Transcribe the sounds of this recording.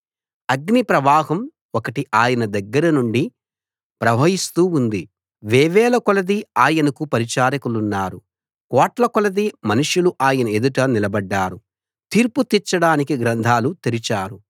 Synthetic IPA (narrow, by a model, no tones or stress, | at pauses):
ɐɡnipɾɐʋaːɦɐm | ɔkɐʈiʔaːjɐnɐd̪ɐɡːɐɾɐnuɳɖi | pɾɐbʱɐɦist̪uːund̪i | ʋɛːʋɛːlɐkɔlɐd̪iaːjɐnɐkupɐɾit͡ʃaːɾɐkulunːaːɾu | kɔːʈlɐkɔlɐd̪imɐnuʂuluʔaːjɐnɐed̪uʈɐnilɐbɐɖːaːɾu | t̪iːɾput̪it͡ʃːɐɽaːnikiɡɾɐnd̪ʱaːlut̪eɾit͡ʃaːɾu